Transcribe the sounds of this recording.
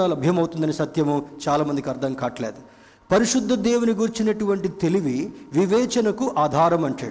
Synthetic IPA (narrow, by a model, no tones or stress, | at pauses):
aːlɐbʱjɐmɐwut̪und̪ɐnisɐt̪jɐmut͡ʃaːlaːmɐnd̪ikɐɾd̪ʱɐŋkaːʈɐleːd̪u | pɐɾiʂud̪ʱːɐd̪eːwuniɡuɾt͡ʃinɐʈuʋɐɳʈit̪e̞liʋiʋiʋɛːt͡ʃɐnɐkuʔaːd̪ʱaːɾɐmɐɳt͡ʃa̰ː